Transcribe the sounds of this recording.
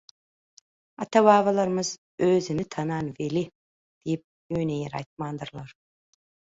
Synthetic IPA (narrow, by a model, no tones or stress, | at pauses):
ɑt̪ʰɑβɑːvɑlˠɑɾmɯz | øzinɪt̪ʰɑnɑnveli | d̪̥ijp̚jønejeɾɑ̰jt̪̚mɑnd̪ɯɾlˠɑɾ